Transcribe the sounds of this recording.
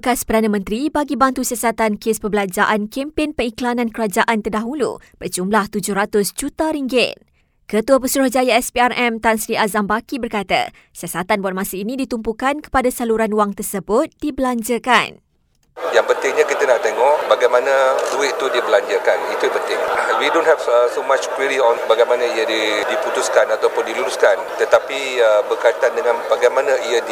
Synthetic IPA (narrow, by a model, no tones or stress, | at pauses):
bəkaspərdanə̃mə̃nt̪ɾibaɡibant̪usiasat̪ankespəbəlaɲd͡ʒaʔankempɪnpəŋiklanãnkəɾad͡ʒaʔant̪ərdaɦulṵb̥ərd͡ʒumlaht̪ud͡ʒʊhɾat̪ʊsd͡ʒut̪aɾiŋɡɪt̪̚ | kət̪uəpəsuɾʊhd͡ʒajaɛspiarɛmt̪ansɾiʔazambakibərkat̪a̰ | siasat̪anbuat̚mãsəinĩdit̪umpukankə̥padasaluɾanwaŋt̪ərsəbʊt̪̚d̥ibəlaɲd͡ʒəka̰n | jaŋpənt̪ɪŋɲakit̪ənaʔt̪eŋɔʔbaɡajmãnãduweʔt̪udibəlaɲd͡ʒəkanit̪upənt̪ɪŋwidõnhɛvsomat͡ʃkwiɾiɔnbaɡajmanãijadidiput̪uskanat̪awpʊndiluɾuskant̪ət̪api | əbərkajt̪andəŋãnbaɡajmãnãijəd